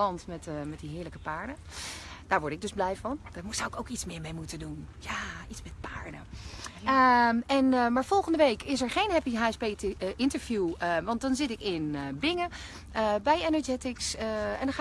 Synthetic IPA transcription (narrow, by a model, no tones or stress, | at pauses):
ɑntmɛtmɛt̚diɦɪːɹləkəpaːɹdə | d̥aːɹʋɔɹtɪɡ̚dɵzblɛjvɑnd̥aːmsawɪkowkitsmɪːɹmejmutədunjaitsmɛt̚paːɹdə̰ | əɛnmaːɹv̥ɔlˠχəndəʋejkʰɪs̬ɛɹχejnɦɛpiɦaːɛspeʔɪntəɹvjuʋɑntdɔnzɪtɪkɪnbɪŋə | əbɛjɛnɔd͡ʒɛtɪksɛ̰ndɑχaː